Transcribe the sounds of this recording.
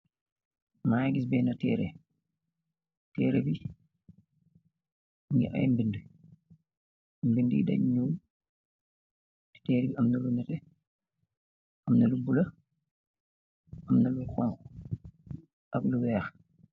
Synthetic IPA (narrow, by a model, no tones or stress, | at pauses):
maːɡis̬bɛːnɐtɛːɾɛ̰ | tɛːɾɛbi | uɲḭʔɐ̰jmbində | mbində̰dɐ̰ɲɲuːm | tɛːɾibiɐmnɐlunɐtɛ | ɐmnɐlubulɐ | ɐmnɐluxɔnkɔ | ʔɐkluwɛːx